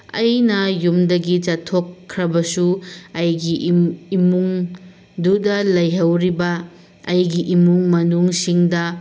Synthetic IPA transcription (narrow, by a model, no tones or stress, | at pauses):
ɐjnɐjumdɐɡit͡ʃɐtʰːokʰːɾɐbɐsuɐjɡiːmuŋ | dudɐlɐjɦɐwɾibɐː | jɡiʔimuŋmɐnuŋsiŋdɐ